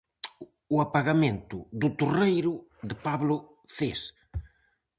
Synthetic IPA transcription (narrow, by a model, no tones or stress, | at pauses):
uapaɣamẽnt̪ʊðʊt̪urejɾʊðɪpaβlʊ | θes